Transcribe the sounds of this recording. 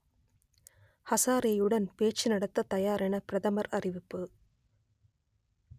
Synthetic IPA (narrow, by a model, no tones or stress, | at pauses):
hɐsaːɾeːjɯɽɐnpeːt͡ʃːɯnɐɽɐt̪ːɐt̪ɐjaːɾɐɳɐpɪɾɐðɐmɐɾɐrɪʋɪpːɯ